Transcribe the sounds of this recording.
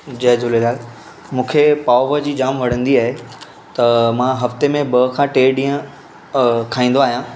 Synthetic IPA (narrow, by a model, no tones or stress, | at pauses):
d͡ʑɐɦd͡ʑʊlelaːl | mũːkʰepaːʋəd͡ʑiːd͡ʑaːmʋɐɽ̤ə̃nd̪iaːɦe | t̪ɐmãɦɐft̪emẽbɐkʰãːʈeːɗĩːə̃ | kʰaːĩːn̆d̪oaːɦijãː